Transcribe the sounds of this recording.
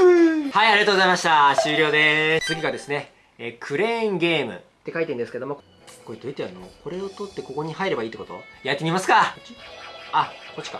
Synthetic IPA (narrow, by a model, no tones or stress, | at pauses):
haiaɾʲiɣat̪oɡzaimaɕi̥t̪aɕɨːɾʲo̞ːd̪e̞t͡sɨɡʲikad̪e̞sɨne̞ | eːkʰɯ̟ɾẽ̞ŋɡe̞ːmɯ̰ | t̪ːe̞kait̪e̞ĩnd̪esɨ̥keom | koit̪oit̪eanooko̞ɾe̞o̞t̪ot̪ːe̞ko̞ko̞ɲ̟ihaiɾe̞baiːt̪ːeko̞t̪o̞̰jat̪ːemʲimasɨ̥ka | ako̞t͡ɕːi̥ka